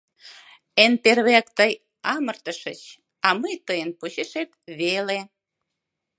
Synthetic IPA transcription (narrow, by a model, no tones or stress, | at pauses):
enperβækt̪əj | ɑmərt̪əʃət͡ɕ | ɑməjt̪əjənpuɕeʃet̪βele